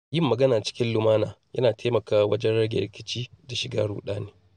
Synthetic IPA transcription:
jɪ˦˨mːɐ˨ɡɐ˦naː˨t͡ʃɪ̥˦kʲɪ˦nlʊ˨maː˦naː˨jʔɐ̰˦naː˨tʰe˦mɐ˨kaː˦˨wɐ˦d͡ʒɛ˦nɽɐ˦ɡʲḛ˨ɾɪ˦kʲɪ˦t͡ʃiː˦da˨ʃɪ˨ɡaː˦ɽṵː˨ɗaː˦neː˨

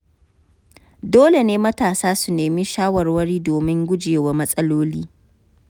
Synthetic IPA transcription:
doː˦le˨neː˦mɐ˦taː˨saː˦su˨neː˨mi˦ʃaː˦wɐ˨rwɐ˦ɽiː˦doː˨mɪ˦ŋɡʷʊ˦d͡ʒeː˨wa˨˦mɐ˦sʼɐ˦loː˦liː˦

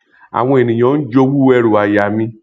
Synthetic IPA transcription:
a̰˨w̃ɔ̃˧e˨nĩ˨j̃ɔ̃˨˦n̩˦d͡ʒo˧˦wu˦ɛ˦˨ɾo˨a˨ja˨mĩ˧

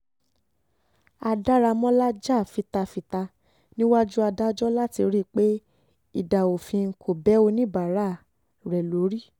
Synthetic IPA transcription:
a˧da˦ɾa˧mɔ̃˦la˦d͡ʒa˦˨fi˧ta˧fi˧ta˧ | nĩ˦wa˦d͡ʒu˦a˧da˦d͡ʒɔ˦la˦ti˧ɾi˦˨k͡pe˦ | i˦˨da˨o˨fĩ˧ŋ̩˨kʰo˨bɛ˦o˧nĩ˦ba˨ɾa˨˦˨ | ɾɛ˨lo˨˦ɾi˦˨

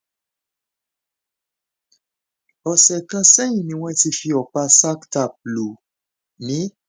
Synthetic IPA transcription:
ɔ˨sɛ˨kã˧sɛ˦jĩ˨nĩ˧˦w̃ɛ̃˦ti˧fi˧ɔ˨k͡pa˧sa˦kta˨p̚lu˨ | nĩ˨˦

